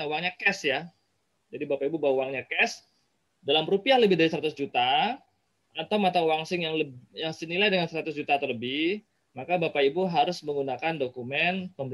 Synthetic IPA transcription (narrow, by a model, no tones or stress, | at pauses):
auwaŋɲakɛsja | d͡ʒadibapaibubawwaŋɲakɛs | dalamɾupiahləbɪhdaɾisəɾat̪ʊsd͡ʒut̪aː | t̪awmat̪auwaŋsɪŋjaŋləjaŋsənilajdəŋansəɾat̪ʊsd͡ʒut̪at̪ələbɪ | makabapaibuɦaɾʊsməŋɡunakandokumɛnpəm